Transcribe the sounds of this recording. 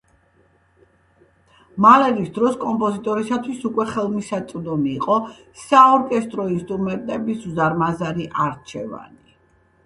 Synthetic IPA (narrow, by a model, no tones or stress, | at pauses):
malɛɾisd̪ɾɔskʼɔmpʼɔzit̪ʼɔɾisat̪ʰwisukʼwɛχɛlˠmisat̪sʼvd̪ɔmiːqʼɔ | saɔɾkʼɛst̪ʼɾɔinst̪ʼɾumɛnt̪ʼɛbisuzaɾmazaɾiʔaɾt͡ʃʰɛva̰ni